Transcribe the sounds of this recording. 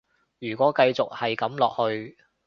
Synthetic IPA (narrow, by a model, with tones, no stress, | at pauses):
jyː˨˩kʷɔː˨˥kɐ˧jt͡sʊ˨k̚hɐ˨jkɐ˨˥mlɔː˨k̚hɵ˧ɥ